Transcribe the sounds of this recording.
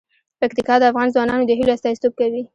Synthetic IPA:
pakt̪ikɑd̪əafɣɑnzwɑnɑnod̪əɦiloast̪ɑjst̪ob̚kawi

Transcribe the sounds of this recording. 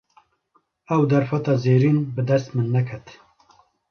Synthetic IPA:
ɛwd̪ɛɾfɛt̪ɑːzeːɾiːnbɨd̪ɛst̪mɨnːɛkʰɛt̪

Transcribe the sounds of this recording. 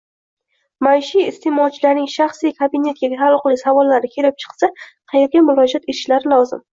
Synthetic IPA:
majʃijɪst̪ʰemɒt͡ʃʰlaɾnɪŋʃaχsijkʰabɪne̞t̪̚ɡʲaalˠqlˠɪsavɒlːaɾɪkʲʰe̞lɪp̚t͡ʃʰɨ̥qsaqʰɑje̞ɾɡʲamʊɾɒd͡ʒat̪ʰet̪ɪ̥ʃlaɾɪlɒwzɪ̰m

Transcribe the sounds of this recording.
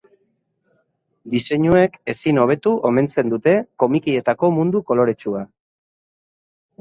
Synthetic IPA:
d̪ise̞ɲue̞ke̞sino̞β̞e̞t̪uʔo̞me̞nt͡se̞nd̪ut̪e̞ko̞mikie̞t̪ako̞mund̪uko̞lo̞ɾe̞t͡ʃua

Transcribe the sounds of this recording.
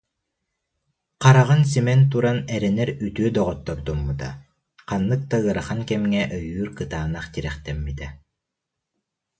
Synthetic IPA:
qaɾaʁɯns̬imɛnt̪̬uɾanɛɾɛnɛɾyt̪yœd̪ɔʁɔt̪ːɔɾd̪umːut̪a̰ | qanːɯk̚t̪aɯɐɾaχankɛmŋɛʔœjyːɾkɯt̪aːnaχt̪iɾɛχt̪ɛmːit̪ɛ

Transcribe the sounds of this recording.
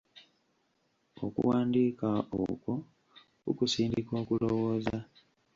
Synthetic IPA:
o̞̰kṵwaːndiːkao̰ko | kukusiːndiko̞ːkulowo̞ːza

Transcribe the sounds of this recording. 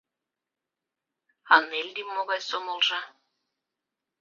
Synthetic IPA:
ɑnelʲd̪imːoɣɑjsomolˠʒɑ

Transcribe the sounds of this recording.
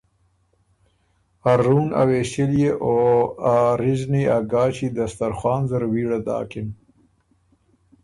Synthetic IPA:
aɾːuːna̰weːsiljeʔoaɾizniaɡɑːt͡ʃid̪ast̪aɾxwɑːnzaɾwiːɽad̪ɑ̰ːkɪn

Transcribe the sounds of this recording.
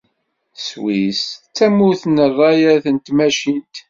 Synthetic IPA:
swist͡sːæmːʊθnərˤːɑjæɾθənt̪mæʃint̪

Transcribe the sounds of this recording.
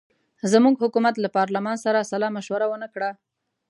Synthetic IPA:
zəmuɡhʊkumat̪lapɑɾlamɑnsaɾasalɑmaʃwaɾawənakɽa

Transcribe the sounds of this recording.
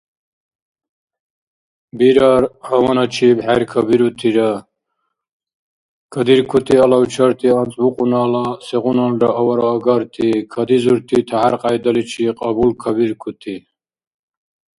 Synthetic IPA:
biɾaɾɐwɐnɐt͡ʃʰibheɾkʰɐbiɾut̪ʰiɾɐ | kʰɐd̪iɾkʰut̪iɐlɐwt͡ʃʰɐɾt̪ʰiɐnt͡sbuqʼunaːlaseɣunɐnɖɐɐwɐɾaːɡɐɾt̪ʰikʰɐd̪izuɾt̪ʰit̪ʰɐɦaɾqajd̪ɐlit͡ʃʰiqɐbulkʰɐbiɾkʰut̪ʰi

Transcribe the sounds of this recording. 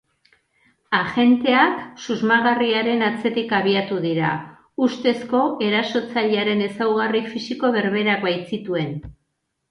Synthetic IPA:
aʝe̞nt̪e̞aksuzmaɣariaɾe̞nat͡se̞t̪ikaβ̞iat̪uðiɾa̰ | ust̪e̞sko̞e̞ɾaso̞t͡saʎaɾe̞ne̞sawɣ̞arifisiko̞β̞e̞ɾβe̞ɾakβajt͡sit̪ue̞n

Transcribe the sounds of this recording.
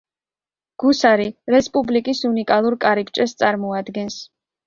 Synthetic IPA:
ɡ̥usaɾiɾɛspʼublikʼisunikʼalˠuɾkʼaɾikt͡ʃʼɛst̪sʼaɾmɔad̪ɡɛns

